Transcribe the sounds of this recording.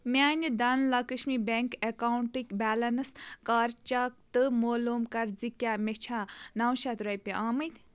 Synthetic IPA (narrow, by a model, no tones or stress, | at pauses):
mʲaːnʲid̪ɐnlakɨʃmibeŋkekawuɳʈɨkʲbʲaːlɐnɨskaːɾt͡ʃak̚t̪ɨmoːlumkɐɾd͡zikʲaːmet͡ʃʰanawʃat̪ɾɐjpʲiʔaːmɨjt̪ʲ